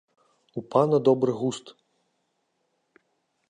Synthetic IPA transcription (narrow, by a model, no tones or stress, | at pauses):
upanɐd̪ɔbɾɨɣust̪